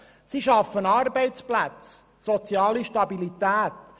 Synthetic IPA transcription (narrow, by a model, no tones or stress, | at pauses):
siʃɑfːənɑːɾbɛɪtt͡splæt͡s | sɔt͡sjɑːliʃtɑbilit̪æːt̪